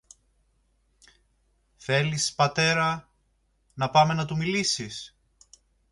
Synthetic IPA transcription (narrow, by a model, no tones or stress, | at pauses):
θe̞lispɐt̪e̞ɾɐ | nɐpɐme̞nɐt̪umilisis